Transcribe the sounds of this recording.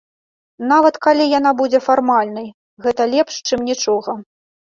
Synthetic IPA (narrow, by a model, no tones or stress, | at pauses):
navɐt̪kalʲijan̪abud͡zʲɛfarmalʲnɐj | ɣɛt̪ɐlʲɛpʂt͡ʂɨmnʲit͡ʂɔɣɐ